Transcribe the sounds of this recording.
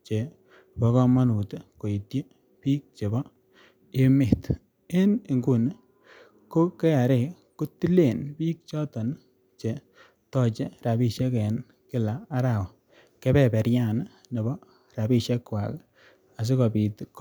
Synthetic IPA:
t͡ʃe˨ | bɔ˨kɔ˦ma˦nu˨tko˨i˨tje˦ | piː˦k̚t͡ʃe˨bɔ˦ | e˦me˨t | ɪ˦ni˨ŋɡu˨n˦ | ko˦kɛ˦a˨ɾe˦˨ | ku˦ti˦le˨npiː˦k̚t͡ʃɔ˦tɔ˨n˦ | t͡ʃe˨ | tɔ˦t͡ʃe˦ɾa˨bi˦ʃe˦kɛ˨n | kɪ˦laː˨˦ɾa˨wɔ˨ | kɛ˦bɛ˨pɛ˨ɾja˦˨n | ne˨bɔ˦ | ra˨bi˦ʃɛ˦kwa̰˨k | a˨s̬i˦kɔ˨pi˨tk

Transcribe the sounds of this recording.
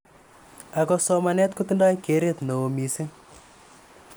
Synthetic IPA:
a˨kɔ˧sɔ˦manɛ˦t̪̚ku˦t̪i˦nda˦jke˨˦ɾe˦t̪no˨o˨mi˨si˦

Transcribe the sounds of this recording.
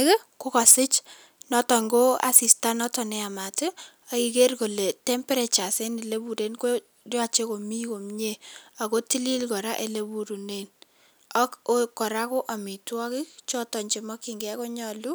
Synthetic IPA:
kko˦kɔ˨sɪ˦t͡ʃ | nɔ˦tɔ˨ŋɡo˦a̰˨si˨sta˦nɔ˦tɔ˨nɛ˦a˨ma˨tɪ˦ | a˨ki˨ke˦rko˨le˨tɛ˦mpɛ˦ɾe˨t͡ʃa˨se˦nɪ˨le˦bu˨de˦nko˦ | rja˨t͡ʃe˦ko˨mi˦ko˨mɲe˦a˨ko˦ti˦li˦lkɔ˨ɾa˦ʔe˦le˦bu˨ɾu˨ne˦n | a˦kokːɔ˨ɾa˦kɔ˦ʔa˨mi˨twɔ˦kɪ˦kt͡ʃɔ˦tɔ˨ɲt͡ʃɪ˨mɔ˦ki˨ŋɡɛ˦ko˦ɲɔ˦lu˦

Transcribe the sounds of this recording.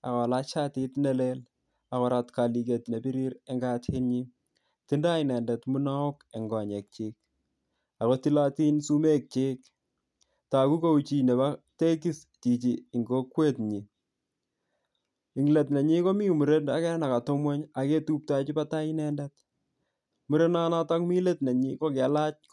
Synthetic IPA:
a̰˨kɔ˨lat͡ʃatitnɛ˦lel | a˨kɔ˨ɾatka˨li˨ke˨tne˨bi˦ɾi˦ɾe˦ŋɡathe˦ɲi˦ | ti˦nda˦inɛ˨ndɛ˨tmu˦na˦ɔ˦ke˨ŋɡɔ˨ɲe˨k̚t͡ʃe˦k̚ | a˨ko˦ti˦la˦ti˦nsu˦me˦k̚t͡ʃe˦k | ta˨ku˦ko˦ut͡ʃi˨ne˨ba˦te˦ki˦s | ti˨t͡ʃi˨i˨ŋɡo˦kwe˦tɲi˨ | i˨ŋle˨tne˨ɲi˦ko˦mi˦mu˨ɾe˦na˦kɛ˦na˨ka˨to˦mwɔ˦ɲa˨ke˦tu˦p̚ta˦t͡ʃi˦pa˦ta˦inɛndɛ˦t̚ | mu˦ɾe˦na˦na˦ta˦kmi˦le˦tne˨ɲi˦ko˦kɛ˨la˦t͡ʃ̚k

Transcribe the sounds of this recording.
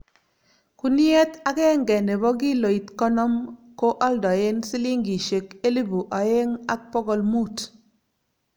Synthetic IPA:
ku˦ni˦e˦ta˦ke˦ŋɡɛ˨ne˨bɔ˦k̬i˦lo˨i˨tkɔ˦nɔ˦mko˦ʔa˦ldɔ˨e˦nsi˦li˦ŋɡi˨ʃe˨ke˦li˦bu˨ʔa˨je˦ŋa˦k̚pɔ˦ɡɔ˨lmu˦˨t

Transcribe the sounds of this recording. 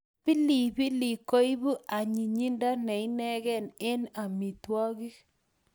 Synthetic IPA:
pi˦li˨bi˦li˨ko˦i˦bu˦ʔa˨ɲi˨ɲi˦nda˦nɛ˨i˦nɛ˦kɛ˦ne˦na˨mi˨twɔ˦ki˦

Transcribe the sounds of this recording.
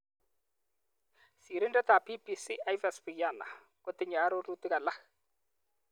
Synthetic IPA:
si˨ɾɪ˦ndɛ˦t̪a˨pi˦pi˦si˦ʔa˦jvɛ˨spi˨kja˦˨na̰˨ | ko˦t̪ɪ˦ɲa˨˦ɾo˦ru˦t̪i˦ka˨la˦

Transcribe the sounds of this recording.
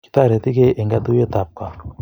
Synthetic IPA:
ki̥˨˦t̪a˦˨ɾe˨t̪i˦ke˦ʔe˨ŋɡa˦d̪u˦je˦t̪a˨p̚ka˨

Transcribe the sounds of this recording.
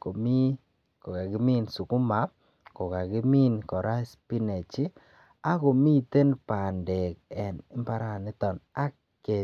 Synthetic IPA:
ko˨mi˦ | ko˨ɡa˨ɡɪ˦mi˦nsu˨kʊ˦ma˨˦ | kɔ˨ka˨ɡɪ˦mi˦nkɔ˨ɾa˦spi˦ne˨t͡ʃi˦ | a˦ko˨mi˦˨te˦npa˨nde˨k̚ɛ˨nɪ˦mpa˦ɾa˨nɪ˦t̪ɔ˨na˦ | e˨

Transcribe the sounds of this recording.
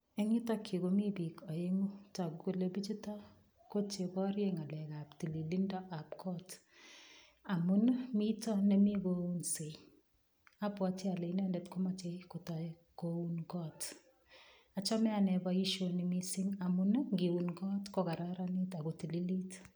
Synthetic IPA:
ɛ˦ŋɪ˦ta˦kʰːi˨ko˦mi˦bi˨kɔ˨je˦ŋu˦ta˨ko˨le˨bi˦t͡ʃi˦tɔ˦ | ko˦t͡ʃe˨bɔ˦ɾje˦ŋa˨lɛ˨ka˨pti˨li˨li˦ndɔ˦ʔa˨pkʰɔ˦t | a˨mu˦n˦mi˦tɔ˦nɛ˦mi˦ɡou˦nse˨ | a˦pwa˨tɪ˦a˨le˨˦nɛ˦ndɛ˨tkɔ˦ma˦t͡ʃe˦ko˨ta˨ | kou˦nkɔ˦t | a˨t͡ʃɔ˦mɛ˦a˨nɛ˨ba˦i˦ʃo˨ni˨mi˦si˦ŋa˨mu˦n˦ŋɡi˨wu˨nɡɔ˦tkɔ˦ka˨ɾa˦ɾa˦ni˦ta˨ɡo˨ti˨li˦li˦t

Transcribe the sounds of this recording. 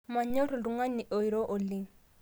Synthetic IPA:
ma˨ɲɔ˦ɾlu˨ŋa˦ni˨ʔojɾo˦ʔo˨li˦

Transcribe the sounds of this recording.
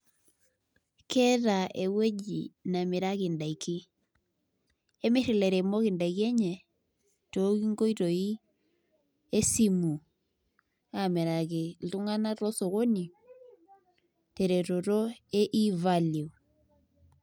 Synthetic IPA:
kʰɛ˦ɾa˨ʔe˨we˦d͡ʒḭ˨na˨me˨ɾa˦kɪ˨nda˨i˨kɪ˦ | e˦mɪ˦ɾɪ˨lɛ˨ɾɛ˨mɔ˦kɪ˨nda˨ke˦ɲɛ˨ | to˦ki˦ŋɡo˦i˦ɾo˨i˦ | e˦si˦mu˨ | a˨mɛ˨ɾa˨ke˨l̩˨u˦ŋa˦na˦ɾɔ˦so˨ɣo˦ni˨ | te˨ɾe˨ɾo˨ɾo˦e˦ʔi˦va˦li˨u˨

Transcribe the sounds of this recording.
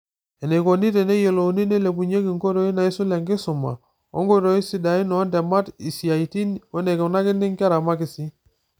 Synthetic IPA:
ɛ˨ne˨ko˨ni˦tɛ˨ne˦je˨lo˨ni˦ne˦le˨bu˨ɲe˦ki˨ŋko˦ɾo˦i˦na˨i˦su˦la˨ŋɡɪ˦sʊ˨ma̰˨ | ɔ̰˦ŋɡo˦ɾo˦i˦si˨˦da˨i˦nɔ˨˦ndɛ˨ma˦ti˨si˨a˨i˨ti˦nwɛ˦ne˨ke˨na˦kɪ˦ndi˦ŋka˦ɾa˨ma˦kɪ˨si˦

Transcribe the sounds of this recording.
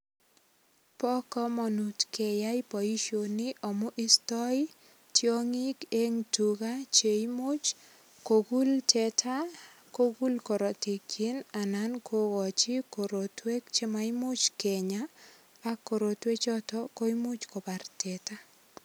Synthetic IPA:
pɔ˦kɔ˦mɔ˨nu˨tkɛ˨ja˦i˦pɔ˨i˦ʃo˨nɪ˦ʔɔ˨mʊ˦ʔɪ˦stɔ˦i | tjo˦ŋi˦ke˦ŋtu˨ɡa˦t͡ʃe˨imo˦t͡ʃ | ko˨ɡu˦ltʰɛ˨tʰa˦ | ko˦ɡu˦lkɔ˨ɾɔ˨tɪ˨ki˦na˨na˦nkʰo˦ɡɔ˨t͡ʃɪ˦ko˨ɾo˨twe˦kt͡ʃe˦ma˨i˦mo˦t͡ʃkɛ˨ɲaː˦ | ko˨ɾo˨twe˦t͡ʃɔ˦tɔ˦ko˦i˦mo˦t͡ʃkɔ˨ba˨rtɛ˨ta˦

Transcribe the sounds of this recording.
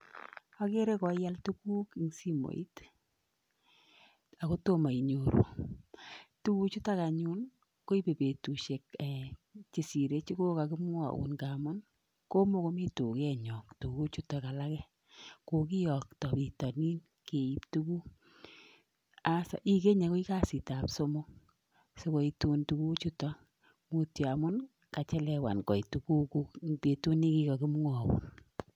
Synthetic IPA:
a˦ke˦ɾe˦kɔ˨ja˦ltu˦ku˦ki˦ŋsi˦mo̰˨ḭ˦t | a˨ko˦to˦ma˨i˨ɲo˨ɾṵ˨ | tu˦ku˦t͡ʃu˦ta˦ka˨ɲu˦n | ko˦i˦pe˨pe˨tu˨ʃe˨kːt͡ʃe˨si˨ɾe˦t͡ʃi˦ɡo˦ka˨kɪ˦mɔ˦a̰˨ṵ˨nɡa˨mɔ˦n | ko˦mo˦ko˦mi˦tu˨kɛ˦ɲɔ˨ktu˨ku˦t͡ʃu˦ta˨ka˨la˦kɛ˦ | ko˧ki˦jɔ˨ktɔ˨pi˨tɔ˨ni˦n | ke˨i˨˦ptu˦ku˦ | a˦sa̰˨ʔi˦ke˦ɲa˨ko˦i˦ka˦si˨ta˨pso˦mo˦ | so˨ko˨i˨tu˧ntu˨ku˦t͡ʃu˦tɔ˦ | mu˦ti˨a˨mʊ˦n | ka˨t͡ʃɛ˦lɛ˦wa̰˨nkɔ˨i˨tu˨ku˦ku˦pe˨tu˦ni˦ki˦ka˨ki˦m˦ŋa˨wṵ˨n

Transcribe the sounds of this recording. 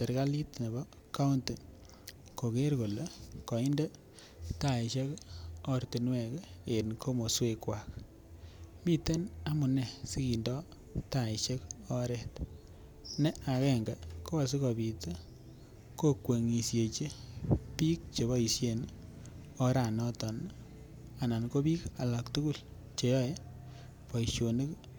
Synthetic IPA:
te˨ɾka˦li˦tne˨bɔ˦ | ka˦u˦nte˨ | ko˨ke˦ɾko˨lekɔ˨i˦nde˦ | ta˨i˨ʃe˦kɔ˦ɾti˨nwɛ˨ke˨nkʰo˦mo˨swe˧kwa˨k | mi˦te˦na˦mʊ˨ne˨si˦ki˨ndɔ˦ | ta˨i˨ʃe˦kɔ˦ɾɛ˦˨t | nɛ˦a˨kɛ˦ŋɡa˨kʰo˦a˨s̬i˦kɔ˨bi˨ta˦ | ko˦kwe˨ŋi˨sje˨t͡ʃe˦pi˦k̚t͡ʃe˨βɔ˦i˨sje˨n | ɔ˦ɾa˨nɔ˦tɔ˨n | a˨na˨nko˦pi˦ka˨la˨ktu˦ku˦˨l | t͡ʃe˨jɔ˦je˦ | pɔ˨iʃjo˨ne˦k

